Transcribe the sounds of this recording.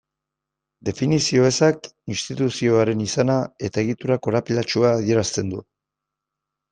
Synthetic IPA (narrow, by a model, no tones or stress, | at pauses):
d̪e̞finisio̞e̞sakinst̪it̪usio̞aɾe̞nisanae̞t̪ae̞ɣ̞it̪uɾako̞ɾapilat͡ʃuaːð̞ie̞ɾast̪e̞nd̪u